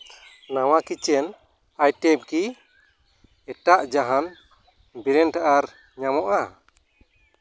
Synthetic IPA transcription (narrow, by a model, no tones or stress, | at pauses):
nawakit͡ʃɛn | ajʈɛb̚ki | ɛʈaʔd͡ʒaɦan | biɾɛnʈaʔaɾ | ɲamɔʔa